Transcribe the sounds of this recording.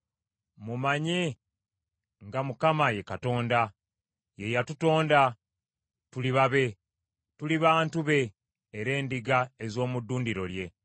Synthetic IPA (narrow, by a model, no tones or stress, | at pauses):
mumaɲe̞ | ŋɡamukamaje̞kato̞ːnda | je̞jatuto̞ːnda | tuliβaβe̞ | tuliβaːntuβe̞ː | ɾe̞ːndiɡaezo̞ːmudːuːndiɾo̞lje̞